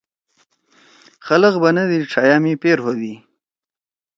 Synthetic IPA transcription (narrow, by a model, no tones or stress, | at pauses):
xaləqbanad̪iʈ͡ʂʰajɑmipeɾhod̪i